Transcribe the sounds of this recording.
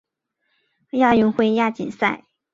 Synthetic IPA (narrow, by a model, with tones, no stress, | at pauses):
ja˥˧y˥˧ŋxwe˥˧ɪja˥˩t͡ɕḭ˨˩nsa˥˩ɪ